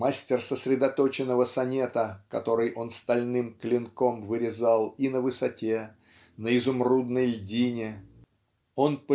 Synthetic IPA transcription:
masʲtʲɪrsəsɾʲɪd̪ɐt̪o̞t͡ɕɪnːəvəsɐnʲe̞t̪əkɐ̰t̪o̞ɾɨjʔo̞nst̪ɐlʲnɨmklʲɪnko̞mvɨɾʲɪzɑlˠinəvɨsɐtʲe | nəɪzʊmrud̪nəjlʲdʲinʲɪ | o̞npə

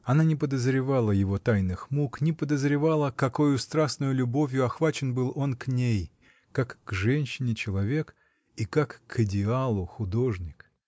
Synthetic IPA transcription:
ɐnanʲɪpəd̪əzɾʲɪvalˠəjɪvo̞t̪ajnɨxmuknʲɪpəd̪əzɾʲɪvalˠəkɐko̞jʊst̪ɾasnʊjʊlʲʊbo̞vʲjʊɐxvat͡ɕɪnbɨlˠo̞nknʲej | kakːʐɛnʲɕːɪnʲɪt͡ɕɪlˠɐvʲe̞k | ikakːʰɨdʲɪalˠʊxʊd̪o̞ʐnʲɪk

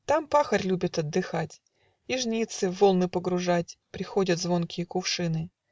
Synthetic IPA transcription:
t̪ampaxərʲlʲubʲɪt̪ɐd̪ːɨxatʲ | iʐnʲit̪sɨvo̞lˠnɨpəɡɾʊʐatʲpɾʲɪxo̞dʲət̪zvo̞nkʲɪjəkʊfʂɨnɨ

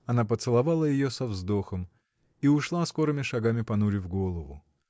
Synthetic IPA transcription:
ɐnapət̪sɨlˠɐvalˠəjɪjosɐvzd̪o̞xəm | iʊʂlˠasko̞ɾɨmʲɪʂɐɡamʲɪpɐnuɾʲɪvɡo̞lˠəvʊ

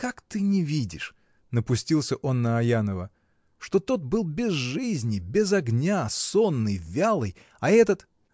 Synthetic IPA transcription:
kakt̪ɨnʲɪvʲidʲɪʂ | nəpʊsʲtʲilˠsʲəʔo̞nːəɐjanəvə | ʂt̪o̞t̪o̞t̪̚bɨlˠbʲɪzʐɨzʲnʲɪbʲɪzɐɡnʲaso̞nːɨjvʲalˠɨj | ɐɛt̪ət̪

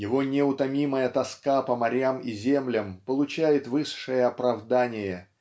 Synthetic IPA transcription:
jɪvo̞nʲɪʊt̪ɐmʲiməjət̪ɐskapəmɐɾʲamizʲemlʲəmpəlˠʊt͡ɕæjɪt̪vɨʂːɨjəɐpɾɐvd̪anʲɪjə

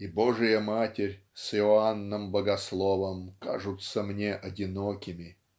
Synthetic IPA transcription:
iboʐɨjəmatʲɪɾʲsɪoanːəmbəɡɐslˠovəmka̰ʐɨt̪səmnʲeʔɐdʲɪnokʲɪmʲɪ

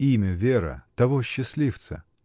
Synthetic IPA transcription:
imʲəvʲeɾə̰t̪ɐvoɕːɪsʲlʲift̪sə̰

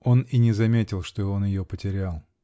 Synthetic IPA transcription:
o̞ninʲɪzɐmʲetʲɪlˠʂt̪oonjɪjopətʲɪɾʲalˠ

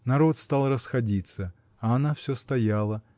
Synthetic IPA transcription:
nɐɾo̞t̪st̪alˠrəsxɐdʲit̪sə | ɐɐnafsʲɵst̪ɐjalˠə

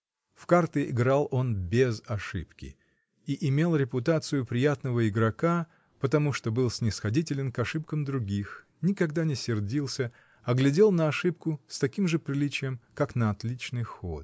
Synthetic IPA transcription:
fkart̪ɨɪ̰ɡɾalˠo̞nbʲɪzɐʂɨ̰pkʲɪ̰ | iʔɪmʲe̞lˠɾʲɪpʊt̪at̪sɨjʊpɾʲɪjat̪nəvəɪɡɾɐka | pət̪ɐmuʂt̪o̞bɨlˠsʲnʲɪsxɐdʲitʲɪlʲɪnkɐʂɨp̚kəmd̪ɾʊɡʲix | nʲɪkɐɡd̪anʲɪsʲɪrdʲilˠsʲə | ɐɡlʲɪdʲe̞lˠnəɐʂɨp̚kʊst̪ɐkʲimʐɨpɾʲɪlʲit͡ɕɪjəmkaknəɐt̪lʲit͡ɕnɨjxo̞̰t̪̚

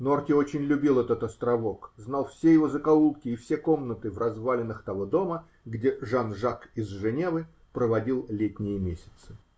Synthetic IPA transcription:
no̞rtʲɪo̞t͡ɕɪnʲlʲʊbʲilˠɛt̪ət̪ɐst̪ɾɐvo̞kznalˠfsʲejɪvozəkɐulˠkʲɪːfsʲeko̞mnət̪ɨvrɐzvalʲɪnːɨxt̪ɐvo̞d̪o̞mə | ɡdʲeʐanʐakɪzʐɨnʲe̞vɨ | pɾəvɐdʲilˠlʲetʲnʲɪjəmʲesʲɪ̥t̪sɨ̥

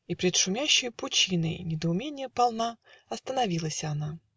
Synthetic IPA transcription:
ipɾʲɪt̪ʂʊmʲæɕːɪjpʊt͡ɕinəjnʲɪd̪əʊmʲenʲɪjəpɐlˠnaɐst̪ənɐvʲilˠəsʲɐna

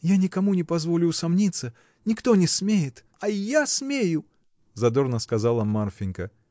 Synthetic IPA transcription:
janʲikamunʲɛpazvɔlʲʊusamnʲit̪sːɐ | nʲikt̪ɔnʲɛsʲmʲejɪt̪ | ɐjasʲmʲeju | zad̪ɔrnəskazalˠɐmarfʲɪnʲkə

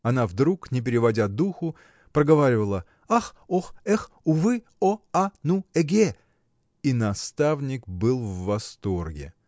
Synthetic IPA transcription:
ɐnavd̪ɾuknʲɪpʲɪɾʲɪvɐdʲad̪uxʊ | pɾəɡɐvaɾʲɪvəlˠə | axoxɛx | ʊvɨ | oanuɛɡʲe | inɐst̪avnʲɪkbɨlˠvːɐst̪o̞rɡʲɪ̰

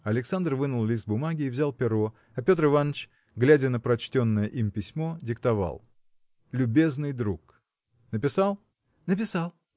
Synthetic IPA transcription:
ɐlʲɪksand̪rvɨnəlˠlʲist̪̚bʊmaɡʲɪːvzʲalˠpʲɪɾo̞ | ɐpʲo̞t̪ɾɨvanːət͡ɕ | ɡlʲædʲɪnəpɾɐt͡ɕtʲo̞nːəjəʔimpʲɪsʲmo̞dʲɪkt̪ɐva̰lˠ | lʲʊbʲe̞znɨjd̪ɾuk | nəpʲɪsalˠ | nəp̬ʲɪsalˠ

